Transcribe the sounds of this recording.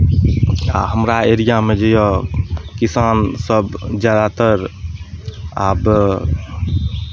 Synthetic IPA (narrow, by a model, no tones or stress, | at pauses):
a̰ɦəmɾaeɾijamed͡ʒəjɔkisaːnsəbd͡ʒjad̪at̪əɾ | aːb